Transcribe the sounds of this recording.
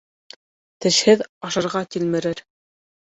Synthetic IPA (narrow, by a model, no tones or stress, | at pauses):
t̪ɘ̆ʃhɘðɑʃɑɾʁɑt̪ilmɘ̆ɾɘɾ